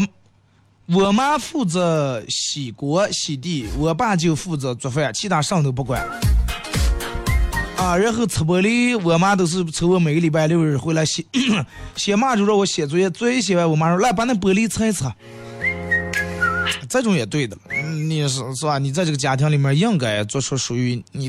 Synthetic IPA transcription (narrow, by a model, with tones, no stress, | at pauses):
wɔ˨˩ma˥fu˥˩t͡sə˧˥ɕi˨˩kwɔ˧˥ɕi˨˩t̪̬i˥˩wə˧˩pa˥˧t͡ɕjo˥˧ʊfu˥˩t͡sɤ˧˥t͡swɔ˨˩fe˥˩a˨˩t͡ɕʰi˥t̪a˥˧ʂɑ˥˧ŋt̪o˧ʊp̬u˥˩kwa˥˩ɪlə | a˧ɻə˧˥xo˧˥ʊt͡sʰə˧˩p̬ɤ˧˥li˥wɔ˧˩ma˥t̪̬o˧˥ʊʂ̬ɻ̩˥˩t͡sʰɤ˧˥wə˧˥˩me˨˩ɪɡə˥li˨˩p̬a˥˧ɪ˧ljo˥˧ʊɻ̩˥˩xwe˥˩ɪla˧˥ɪɕɛ˧˩˥ɕjɛ˨˩ma˥˧t͡ɕo˥˧ʊʂɔ˥˧wɔ˧˥ɕjɛ˨˩t͡swɔ˧˥jɛ˥˧t͡swɔ˥ɕ̬jɛ˨˩wa˥˩ɪwɔ˧˩ma˧˥˧la˥˩ɪpa˥nd̪ə˧˩p̬ə˧˥li˥t͡sʰə˥˧˥t͡sʰ | t͡sa˥˧ɪʈ͡ʂʊ˧˥ŋjɛ˨˩t̪we˥˩d̪ə˨˩lə˩˧ni˨˩ʂ̩˧ʂ̩˥˩ba˧˩ni˨˩t͡sa˥˧ɪʈ͡ʂɤ˥˩ɡə˩t͡ɕja˧˥t̪ʰjŋli˨˩mʲjə˥˧jɑ˥˧ŋka˨˩ɪt͡swɔ˥˩ʂwɔ˥˩ʂu˨˩y˧˥ni˨˩